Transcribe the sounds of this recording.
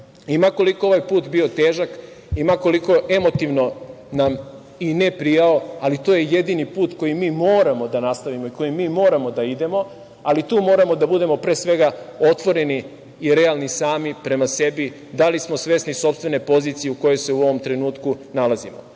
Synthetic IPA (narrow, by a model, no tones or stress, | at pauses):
imako̞likoo̞ʋajpuːt̪bio̞t̪e̞ːʒak | imako̞liko̞ʔe̞mo̞t̪iʋno̞nam | ine̞pɾijao̞alit̪o̞ːjeje̞d̪inipuːt̪ko̞jimiːmo̞ːɾamo̞d̪anast̪aʋimoiko̞jimːiːmo̞ːɾamo̞d̪aid̪e̞mo̞ | alit̪uːmo̞ːɾamo̞d̪abud̪e̞mo̞pɾe̞ːsʋe̞ɡao̞t̪ʋo̞ɾe̞niː | ɾealˠnisaːmipɾe̞mase̞bi | d̪alismo̞sʋe̞sniso̞pst̪ʋene̞po̞ziːt̪sijeuko̞jo̞jse̞uo̞ʋo̞mt̪ɾe̞nuːt̪kunalazimo̰